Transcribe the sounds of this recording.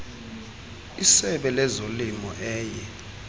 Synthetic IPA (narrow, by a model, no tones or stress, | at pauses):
isɛɓɛlɛzolimɔʔɛːjɛ